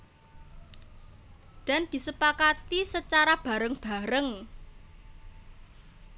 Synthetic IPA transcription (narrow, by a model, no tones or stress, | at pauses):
d̪̥a̤nd̪̥i̤səpakat̪isət͡ʃaɾab̥ä̤ɾəŋb̥a̤ɾəŋ